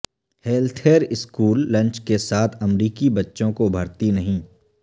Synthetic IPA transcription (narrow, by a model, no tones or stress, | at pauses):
heːlt̪ʰeːɾɪskuːlːɐ̃ɲt͡ʃkesaːt̪ʰɐmɾiːkibɐtːʃõkobʱɐɾt̪inɐɦĩː